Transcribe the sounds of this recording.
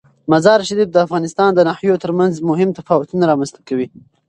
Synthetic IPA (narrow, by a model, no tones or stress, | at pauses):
mazɑɾʃaɾifd̪əafɣɑnɪst̪ɑnd̪ənahjot̪əɾmanzmʊɦɪmt̪afɑwʊt̪unaɾɑmanst̪ḁkawi